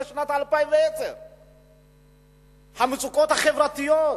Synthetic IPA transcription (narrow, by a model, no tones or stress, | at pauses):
sonat̪alupajvet͡se | hamit͡sukot̪aχevɾat̪io